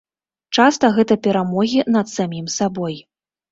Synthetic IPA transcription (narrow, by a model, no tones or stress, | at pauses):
t͡ʂast̪ɐɣɛt̪ɐpʲɛɾamɔɣʲinɐt̪samʲimsabɔj